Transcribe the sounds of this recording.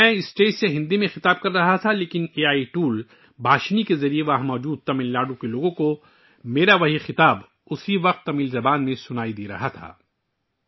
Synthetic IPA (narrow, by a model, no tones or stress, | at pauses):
mɛ̃ːɪsʈeːt͡ʃseɦɪ̃nd̪imẽxɪt̪aːb̚kɐɾːɐɦat̪ʰaleːkɪneːaːiʈuːl | bʱaːʃnikezɐɾieʋaːɦmɔːd͡ʒuːd̪̚t̪ɐmilːaːɖũkeloːɡõko | meːɾaʋɐɦixɪt̪aːb | ʊsiʋɐq̚t̪ːɐmiːlzɐbaːnmẽsʊnaːid̪iːɾɐɦat̪ʰa̰ː